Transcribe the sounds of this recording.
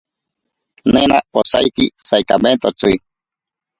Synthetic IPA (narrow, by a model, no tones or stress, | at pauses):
nẽnaposa̰jkḭsajkament̪ot͡sɨ